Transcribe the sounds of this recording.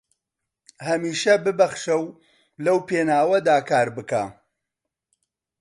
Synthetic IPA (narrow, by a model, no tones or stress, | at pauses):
hɐmiːʃɐbɨbɐχʃɐw | lɐwpeːnaːwɐd̪aːkaːɾbɨka